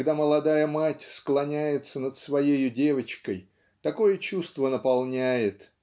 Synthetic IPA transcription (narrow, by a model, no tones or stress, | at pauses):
ɡd̪aməlˠɐd̪ajəmatʲsklˠɐnʲæjɪt̪sənət̪svɐjejʊdʲe̞vət͡ɕkəj | t̪ɐko̞jət͡ɕust̪vənəpɐlˠnʲæjɪt̪